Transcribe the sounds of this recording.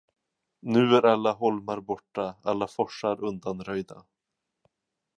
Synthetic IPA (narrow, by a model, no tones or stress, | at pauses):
nʉ̟ːæɾalːaɦɔlmaɾbɔʈːaalːafɔʂaɾɵnd̪anɾœjd̪a